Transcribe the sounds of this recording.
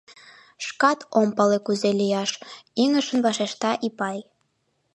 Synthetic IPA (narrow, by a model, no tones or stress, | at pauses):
ʃkɑt̪ʰompɑlekuzelijɑʃiŋəʃənβɑʃeʃt̪ɑʔipɑj